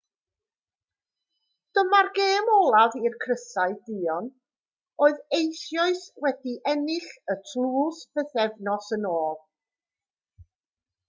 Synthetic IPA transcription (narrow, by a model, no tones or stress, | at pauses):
d̥əmarɡeːmɔlˠavirkʰrəsaɨdiːɔn | oːɨðejsjɔɨswɛdiʔɛnɪɬətʰlˠuːsvəθɛvnɔsənoːlˠ